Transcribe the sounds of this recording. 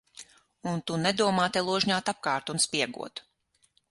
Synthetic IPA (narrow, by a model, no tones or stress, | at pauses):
unt̪unɛd̪uɔmaːt̪ɛlˠuɔʒɲaːt̪ap̚kɑːɾt̪unspʲiɛɡṵɔt̪